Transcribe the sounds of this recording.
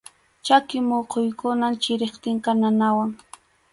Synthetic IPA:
t͡ʃakɪmoqʰojkʊnant͡ʃɪɾeχt̪ɪŋkananawaŋ

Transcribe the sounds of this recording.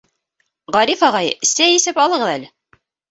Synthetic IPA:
ʁɑɾifɑʁɑjɘsæjisɘpɑlˠɤ̆ʁɤ̆ðælɘ

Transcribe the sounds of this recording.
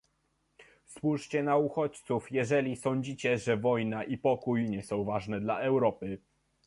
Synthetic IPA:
swuʂt͡ɕɛnauxɔt͡ɕt̪sufjɛʐɛlʲisɔɲd͡ʑit͡ɕɛʐɛvɔjnaʔipɔkujɲɛsɔ̃w̃vaʐnɛd̪laɛwɾɔpɘ

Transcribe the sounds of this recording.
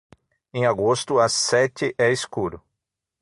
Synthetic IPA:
ẽj̃aɡost̪ʊasɛt͡ʃ̪ɪʔɛiskuɾʊ

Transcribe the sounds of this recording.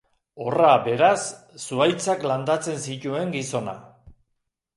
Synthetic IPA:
o̞rabe̞ɾasː | uajt͡sakland̪at͡se̞nsic̪ue̞ŋɡiso̞na̰

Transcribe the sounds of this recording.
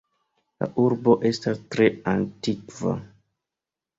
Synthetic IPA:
la̰ʔuɾbo̞ʔe̞stastɾe̞antikva̰

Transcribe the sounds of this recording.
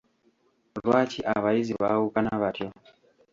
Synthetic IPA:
ɾwat͡ʃiʔaβaiziβaukanaβatjɔ

